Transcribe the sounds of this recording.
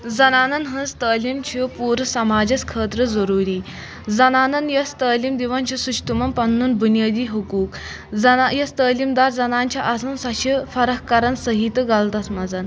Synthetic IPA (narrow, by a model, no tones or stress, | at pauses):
d͡zɐnaːnɐnɦənst̪əːlimt͡ɕʰipuːɾsɐmaːd͡ʑɐt͡skʰəːt̪ɾəzəɾuːɾiː | d͡zɐnanɐnjɐst̪əːlimd̪iʋant͡ɕʰisuɕt̪umɐnpɐnːuːnbunijaːd̪iːɦəkuːk | d͡zɐnjɐst̪əːlimd̪aɾd͡zɐnaɲt͡ɕʰaʔasunsaɕifɐɾəɦkɐɾənsəɦit̪əɡalt̪asmɐd͡zan